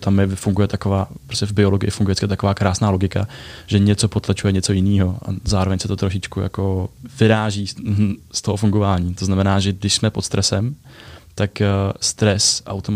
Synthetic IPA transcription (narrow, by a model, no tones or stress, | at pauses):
t̪amjɛfuŋɡujɛt̪ako̞vaːpɾoscɛvbɪo̞loɡɪʔɪfuŋɡujɛt͡skɛt̪ako̞vaːkɾaːsnaːlo̞ɡɪkaʒ̥ɛɲɛt͡so̞po̞t̪lat͡ʃujɛɲɛt͡so̞jɪniːɦo̞ʔa̰zaːɾovɛɲsɛt̪o̞t̪ɾo̞ʃɪt͡ʃkuja̰ko̞vɪɾaːʒiːst̪o̞ɦofuŋɡo̞vaːɲiːt̪oznamɛnaːʒɛɡdɪʃsmɛpot̪st̪ɾʔɛsɛm | t̪akst̪ɾɛsʔa̰wt̪om